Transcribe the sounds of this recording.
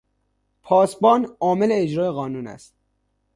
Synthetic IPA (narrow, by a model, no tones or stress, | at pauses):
pʰɒːsbɒːnɒːme̞leːd͡ʒɾɒːjeɣɒːnuːnæ̰st̪